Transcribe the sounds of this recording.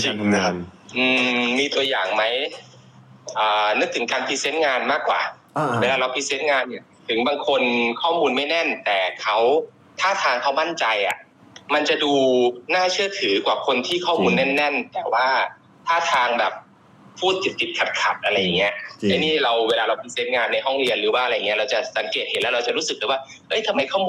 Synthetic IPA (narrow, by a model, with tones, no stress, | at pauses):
t͡ɕi˧ŋ | ʔɯː˧miː˧t̪u˧ɐjaː˨˩ŋma˦˥j | ʔɤː˨˩nɯ˦˥k̚t̪ʰɯ˩˦ŋkaː˧npʰi˧˥seː˦˥t̪̚ŋaː˧nmaː˥˩kːwa̰ː˨˩ | eː˧laː˧ɾa˧wpʰi˧˥seː˦˥t̪̚ŋaː˧nːi˧˩ɐ | t̪ʰɯ˩˦ŋbaː˧ŋkʰo˧nkʰɔː˥˩muː˧nma˥˩jnɛ˥˩nt̪ɛː˨˩kʰa˦˥w | t̪ʰaː˥˩t̪ʰaː˧ŋkʰa˦˥wma˥˩nt͡ɕa˧jʔa̰˨˩ | ma˧nt͡ɕa˨˩duː˧naː˥˩t͡ɕʰɯ˥˩t̪ʰɯː˩˦kwaː˨˩kʰo˧nt̪ʰiː˥˩kʰɔː˥˩muː˧nːɛ˥˩nːɛ˥˩nt̪ɛː˨˩waː˥˩ | t̪ʰaː˥˩t̪ʰaː˧ŋbɛː˨˩p̚ | pʰːuː˥˩t̪̚ʰːi˨˩t̪̚pʰːi˨˩t̪̚kʰa˨˩t̪̚kʰa˨˩p̪̚ʔa˧ɾa˧jːa˨˩ŋːi˦˥ɐt͡ɕa˧niː˥˩ɾa˧wweː˧laː˧ɾa˧wpʰi˧seː˦˥t̪̚ŋaː˧nːa˧jɦɔ˥˩ŋɾi˧ənɾɯː˩˦waː˥˨ɾa˧jːŋi˦˥ɐ˧ɾa˧wt͡ɕa˨˩sa˨˩˦ŋkeː˨˩t̪̚he˨˦nlɛː˦˥ɾa˧wt͡ɕa˨ɾu˦˥sɯ˨˩k̚lɯː˨˦waː˥˩ | ʔɤ˦˥˩jt̪ʰa˧ma˧jkʰɔː˥˩muː˧